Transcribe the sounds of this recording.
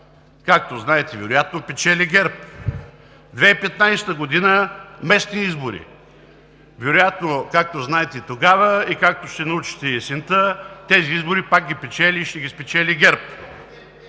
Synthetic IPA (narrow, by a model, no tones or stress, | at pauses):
kak̚t̪oznaɛt̪ɛvɛɾʊjat̪nopɛt͡ʃɛlʲiɡɛɾp̚ | d̪vɛipɛt̪najsɛ̥t̪əɡod̪inəmɛst̪niizboɾḭ | vɛɾojat̪nokak̚t̪oznaɛt̪ɛit̪oɡavəikak̚t̪oʃt̪ɛnɐut͡ʃi̥t̪ɛsint̪ət̪ɛziizboɾipak̚ɡʲipɛt͡ʃɛlʲiːʃt̪ɛɡʲispɛt͡ʃɛlʲiɡʲɛɾp